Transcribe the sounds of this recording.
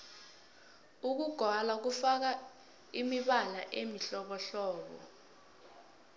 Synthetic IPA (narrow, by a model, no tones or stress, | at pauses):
uk̬uɡ̥ʱwalak̬ufak̬a | imiɓala̰ʔemiɬɔɓɔɬɔːɓɔ̰